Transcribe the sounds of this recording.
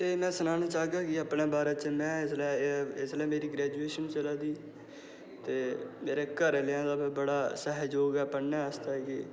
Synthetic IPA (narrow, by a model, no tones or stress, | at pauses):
t̪eːmɛ̃ːsənaːñaːt͡ʃaːɡaːkɪəpɳeːbaːɾaːt͡ʃmɛ̃ːɪslɛːɪslɛːmeːɾiːɡɾɛːd͡ʒueːʃəñːt͡ʃəlaːd̪iː | t̪eːmeːɾeːkəɾlːãːd̪aːbbəɽaːsəɦd͡ʒoːɡɛːpəɽnɛːəst̪aːkɪ